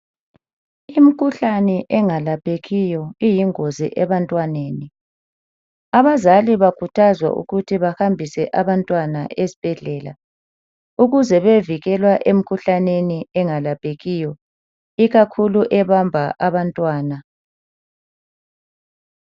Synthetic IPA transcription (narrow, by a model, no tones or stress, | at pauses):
im̩kʰuɬanɛʔɛŋalapʼeɣijɔijiŋozḭʔɛβantʼwaneːni | aβazaliβakʰutʰazwa̰ʔṵɣutʰiβahambʱisɛʔaβantʼwana̰ʔezi̥b̥ʱɛɮɛːla̰ | uɣuzɛβeviɣɛlwaʔem̩kʰuɬaneniɛŋalapʼeɣijɔ | iɣakʰuluʔɛβambʱaʔaβantʼwaːna